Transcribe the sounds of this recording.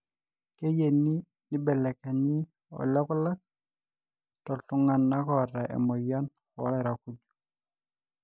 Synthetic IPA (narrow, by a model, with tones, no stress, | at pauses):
ke˦je˨ni˦ | ni˦bɛ˨lɛ˨kɛ˨ɲi˦ | ɔ̰˨lɔ˦kɔ˦la˦k̚ | tɔ˨ɬʊ˨ŋa˨nːa˦kɔ˨ɾɛ˨ʔɛ̰˨mɔ˨ja˦n | ɔ̰˨˦lɛ˨ɾa˨ku˦ɟu